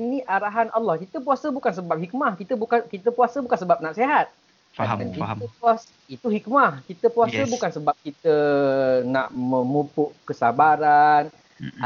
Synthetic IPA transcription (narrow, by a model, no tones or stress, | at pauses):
iniʔaɾaɦanʔalːɔhkit̪əp̬uasəbukans̬əbap̚hik̚mahkit̪əbukakit̪əpuasəbukansəbap̚naʔseɦat̪̚ | ankiəpuas | it̪uɦik̚mahkit̪əpuasəbukansəbap̚kit̪ə | naʔmə̃mupʊʔkəsabaɾan